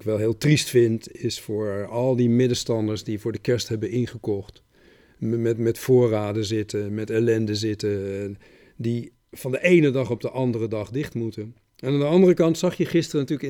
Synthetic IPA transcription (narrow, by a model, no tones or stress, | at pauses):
kʋɛlˠɦɪːlˠtristfɪntɪsfʊːɹɑlˠdimɪdəstɑndəɹsdivʊːɹdəkɛɹsthɛbənɪnχəkɔχt | mɛtmɛtfʊːraːdəzɪtəmɛtɛlɛndəzɪtə | di | v̥ɑndəʔejnədɑχɔb̚dəʔɑndərədɑχdɪχtmutən | ɛnaːndəɑndərəkɑntsɑχjəχɪstərənɑtyːlək